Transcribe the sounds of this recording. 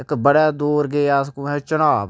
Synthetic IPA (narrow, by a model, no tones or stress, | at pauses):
ɪkbəɽaːd̪oːɾɡeːaːskoɛ̃t͡ʃənaːb